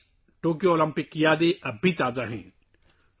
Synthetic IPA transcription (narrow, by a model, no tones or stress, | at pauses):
ʈoːk̬ijooːlə̃mpɪkjaːd̪eʔɐbʱit̪aːzaɦɛ̰̃ː